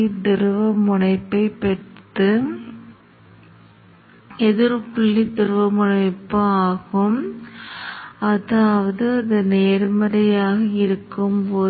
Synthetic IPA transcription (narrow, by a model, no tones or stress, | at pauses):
id̪ɪɾɯʋɐmʊɳɐɪpːɐɪpːɛt̪ːɯ | ɛðɪɾpʊɭːid̪ɪɾɯʋɐmʊɳɐɪpːɐaːɣɯm | ɐðaːʋɐðɯɐðɯneːɾmɐɾɐjaːɣɐɪɾɯkːɯmpoː